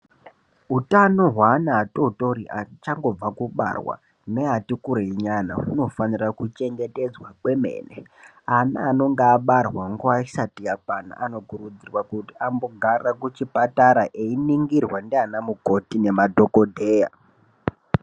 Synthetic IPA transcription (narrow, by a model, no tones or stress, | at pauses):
ɦutano̞ɦwanaːtoto̞riʔat͡ʃaŋɡo̞b͡vakuɓa̰rwa̰ | neɦatikuɾeiɲana̰uno̞fanirakut͡ʃe̞ŋɡe̞te̞d͡zwakwe̞me̞̰ːnḛ | anaːno̞ŋɡaːɓarwaŋɡoaisatijakwana̰ʔano̞kuɾud͡zirwakutiamboɡʱarakut͡ʃipataɾaʔeiniŋɡirwandeanamuko̞tine̞madʱokodʱe̞ːja̰